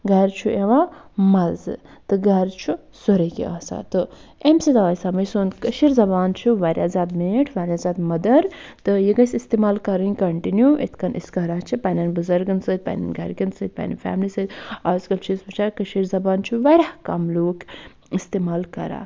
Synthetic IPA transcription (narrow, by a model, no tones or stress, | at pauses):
ɡɐɾt͡ʃʰuʔeʋamɐzɨ̰t̪ɨɡɐɾt͡ʃʰu | soɾɐkḭʔaːsa̰t̪ɨemsid̪ɐʋaːsɐməjsoːnkɐʃiɾzɐbaːnt͡ʃʰuʋaːɾʲjaːzaːd̪meʈʰʋaːɾʲjazaːd̪mɐd̪ɐɾt̪ɨjiɡɐsist̪eːmaːlkɐɾɨnʲkɐɳʈinjuʔḛt̪ʰkɐnʔḭskɐɾaːt͡ʃʰipɐnɐnbɨzɐɾɡɨnsɨd̪̚pɐ̰nɐ̰nɡɐ̰ɾkʲɐnsɨd̪̚pɐ̰nɐ̰fʲa̰ːmlisɨd̪ɐskɐlt͡ʃʰisbɐt͡ʃʰakɐʃiɾzɐbaːnt͡ʃʰuʋaɾʲahkɐmloːk | ist̪emaːlkɐ̰ɾa̰